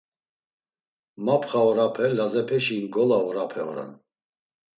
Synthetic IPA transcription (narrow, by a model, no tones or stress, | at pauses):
mapʰχaɔɾapʰɛlazɛpʰɛʃiːnɡɔlaɔɾapʰɛɔ̰ɾɛ̰n